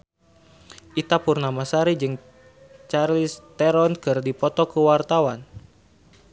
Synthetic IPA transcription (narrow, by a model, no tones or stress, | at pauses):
ʔit̪apurnamasaɾid͡ʒɨŋ | t͡ʃarlist̪ɛɾɔnkɨrdipɔt̪ɔkəwart̪awan